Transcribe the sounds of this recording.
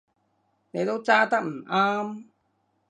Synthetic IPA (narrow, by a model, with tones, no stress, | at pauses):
ne˨˧jt̪o˥wt͡saː˥t̪ɐ˥k̚m̩˨˩ʔaː˥m